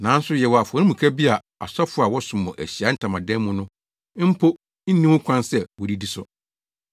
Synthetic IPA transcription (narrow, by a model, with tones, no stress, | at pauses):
nã˨˦n̩˦sʊ˦jɛ˨wɔ˨a˨fa˨˦nĩ˦mũ˨kʰa˦bi˦a˨ | a̰˨sɔ˦fʊ˦a˨wɔ˦sʊ̃˨mʊ̃˨ʔæ˨ɕi˨a˨˦n̩˦tʰã˨mã˨dɛ̃˦mmʊ̃˦nʊ̃˦ | m̩˦pʰo˦ | n̩˦nĩ˦wʊ̃˦kʷʰã˦nsɛ˨wɔ˨di˦di˦sʊ˨